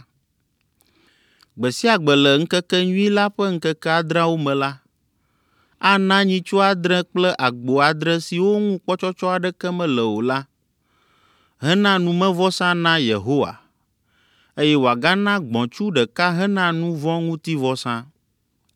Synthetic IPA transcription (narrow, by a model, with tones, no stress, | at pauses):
ɡ͡bɛ˨si˦a˨ɡ͡bɛ˨lə˨ŋ̩˦kɛ˦kɛ˦ɲũ˦i˦la˦ɸɛ˦ŋ̩˦kɛ˦kɛ˦a˨d̪ɾã˦wo˦mɛ̃˨la˦ | a˦nã˦ɲĩ˦t͡ʃo˦a˨d̪ɾɛ̃˦k͡plɛ˦ʔa˨ɡ͡bo˨a˨d̪ɾɛ˦si˨wo˦ŋũ˦k͡pɔ˦t͡ʃɔ˦t͡ʃɔ˦a˨ɖɛ˦kɛ˦mɛ̃˨lɛ˨wo˨la˦ | ɦɛ˦nã˦nũ˦mɛ̃˦vɔ˦sã˦nã˦jḛ˨ɦo˦wa̰˨ | e˦jɛ˦wo˨a˨ɡa˦nã˦ɡ͡bɔ̃˨t͡ʃu˦ɖɛ˨ka˦ɦɛ˦nã˦nũ˦vɔ̃˦ŋũ˦t̪i˦vɔ˦sã˦